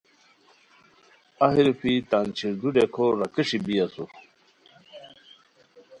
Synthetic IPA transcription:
aɦiɾupʰit̪aːnt͡ɕʰiɾd̪uɖekʰoɾɐkiʂibiasu

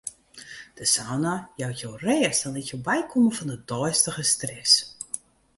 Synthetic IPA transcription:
d̥əsawnajawtjowrɛːsdɔnlitjowbɛjkʰoməfɔndədɔjstəɣəstrɛs

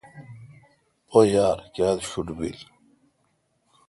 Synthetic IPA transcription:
ojaːɾkaːlɕuɖbḭl

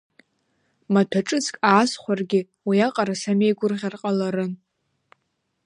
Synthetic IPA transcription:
matʰaʈ͡ʂʼɨt͡sʰʼkʼaːsχʷarɡʲɪ | wiaqʼaɾasame̞jɡʷʊrʁʲarqʼalaɾɨn

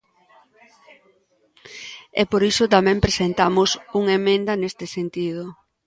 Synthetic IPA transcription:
ɛ̰poɾisʊt̪amɛ̃mpɾesent̪amʊsuŋemẽnd̪ɐnest̪esent̪ið̞ʊ

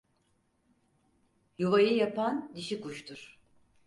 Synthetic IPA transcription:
juvajɯjapand̪iʃikuʃt̪ʰuɾ̥

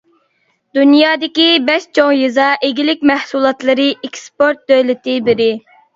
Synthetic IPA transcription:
d̪unjɑːd̪ɪkʲibɛʃt͡ʃʰoŋjɨzɑʔeɡʲilɪk̚ʲmɛhsulˠɑt̪lˠɨɾɨekspoɾt̪̚d̪ølɪt̪ɪbɪɾɪ

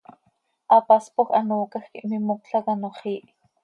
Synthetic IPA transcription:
ʔɑpɑspoxʔɑnoːkɑxkḭʔmimokɬɑkanoχiːʔ

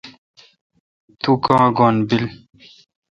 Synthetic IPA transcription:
t̪ukãːɡonbil

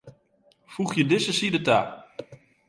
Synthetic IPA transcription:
fuχjədɪsəsidəta̰ː

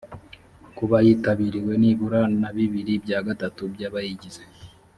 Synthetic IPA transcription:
kuβajiːtaβiːɾiwe̞niːβuɾanaβiβiɾibɟaːɡatatubjaːβajiɟize

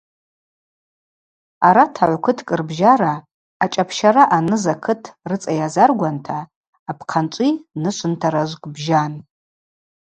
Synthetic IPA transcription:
aɾatʰaʕʷkʰɨtʰkʼɨrbʒaɾaː | t͡ʃʼapʰʃaɾaʔanɨzakʰɨtʰrɨt͡sʼajazarɡʷantʰaː | pʰqʰant͡ʃʷʼinɨʃʷʰʼɨntʰaɾaʒʷkʼbʒan

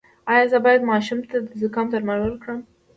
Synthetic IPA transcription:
ɑjɑzəbɑjad̪mɑʃumt̪ad̪əzəkɑmt̪aɾmaɾwəlkɽəm

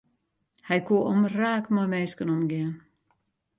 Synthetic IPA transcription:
hɛjkʰuəʔɔmraːkmɔjmɛːskənɔmɡɪən

